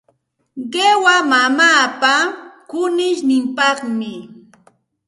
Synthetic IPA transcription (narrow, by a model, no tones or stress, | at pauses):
ɢewamamaːpakʊnɪʃnɪmpɑχmɪ